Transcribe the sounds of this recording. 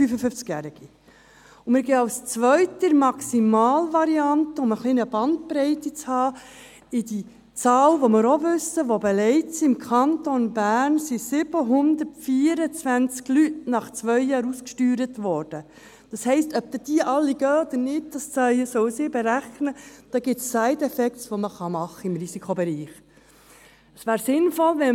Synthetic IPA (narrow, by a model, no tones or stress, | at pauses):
fyfəfʏft͡skjæɾɪɡ̥i | ʊmɪɾɡɛɑwst͡sʋœʏtəɾmɑksimɑːlvɑɾiɑntəʊməχliːnəbɑnt̪̚pɾɛɪtit͡shɑː | ɪdi | t͡sɑːlʋɔmɪɾoʋʏsəʋobɛlɛɪtsiɪmkʰɑntonbæːɾnsisɪb̥əɦʊnd̪ətfiːəɾət͡sʋænt͡sklytnɑχt͡sʋœʏjɑːɾuskʃtyːɾətʋɔːɾd̥ə | d̥ɑshɛɪstœp̚t̪əd̥iəʔɑlːiɡœːod̥̪əɾnɪt̚d̥ɑst͡sœjəsɔʊsibɛɾæχnəd̥ɑɡɪtsːæɪtɛfɛksʋoməχɑmɑχːəɪmɾisikʰobɛɾiːχ | əsʋæːɾsɪnfɔlʋɛ